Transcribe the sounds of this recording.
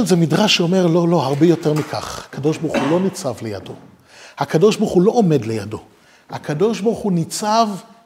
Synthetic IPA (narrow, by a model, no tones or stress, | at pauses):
lzemidʁaʃːeome̞ʁlo̞lo̞haʁbejo̞te̞ʁmikʰa̰χakʰado̞ʃbaχulo̞nit͡savleja̰do̞̰ | hakado̞ʃbaχulo̞ʔome̞dlejado̞ | hakado̞ʃbaχunit͡sav